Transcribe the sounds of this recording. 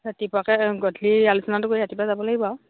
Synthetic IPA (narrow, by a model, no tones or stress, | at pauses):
atipakɛɡɔtʰlialusɔnatʊkoiatipazabɔlaɡibaw